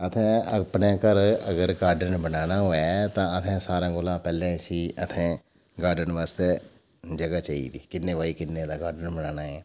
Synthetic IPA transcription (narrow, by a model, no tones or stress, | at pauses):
ət̪ʰɛ̃ːəpneːkəɾəɡəɾɡaːɾɖənbənaːnaːɦoːaːt̪ãːət̪ʰɛ̃ːsaːɾãːɡoːlãːpɛːlɛ̃ːsiːət̪ʰɛ̃ː | ɡaːɾɖənʋaːst̪eː | d͡ʒəɡaːt͡ʃaːḭːd̪iːkɪnːeːʋaːiːkɪnːẽːd̪aːɡaːɾɖənbənaːnaːɛː